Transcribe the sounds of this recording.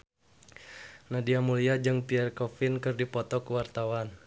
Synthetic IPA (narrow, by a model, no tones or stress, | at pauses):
nadiamuliad͡ʒɨŋpiɛrkɔfinkɨrdipɔt̪ɔkuwart̪awan